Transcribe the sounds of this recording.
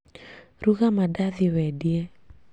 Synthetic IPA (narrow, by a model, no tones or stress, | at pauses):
ruɣamadaðiwɛdiɛ